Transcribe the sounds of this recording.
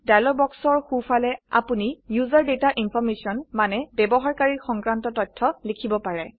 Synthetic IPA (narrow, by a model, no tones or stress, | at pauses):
dajlɔbɔksɔɹxufalɛa̰punijuzaɹdetaʔinpʰɔɹmesiɔnmanɛbɛbɔɦaɹkaɹixɔŋkɹantɔtɔtʰːɔlikʰibɔpaɹɛ